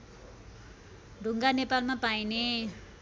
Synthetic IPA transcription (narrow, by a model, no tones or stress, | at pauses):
ɖuŋɡanepalmapaine